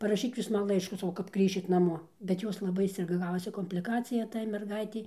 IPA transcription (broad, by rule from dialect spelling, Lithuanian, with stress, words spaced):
pɐrɐˈʃʲiːk ˈjuːs ˈmɐn ˈlˠɐɪʃkuː sɐˈkɐʊ kɐp ˈɡrʲiːʃʲɪt nɐˈmoː bʲɛt ˈjoːs lˠɐˈbɐɪ ˈsʲɪrɡɐ ˈɡɑːʋoːsʲɪ koːmʲpʲlʲɪˈkɑːt͡sʲɪjɛ tɐɪ mʲɛrˈɡɐɪtʲɛɪ